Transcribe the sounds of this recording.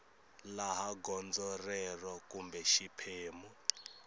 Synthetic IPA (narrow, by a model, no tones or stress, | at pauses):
laɦaɡɔnd͡zɔrɛrɔkumbɛʃipʰeːmu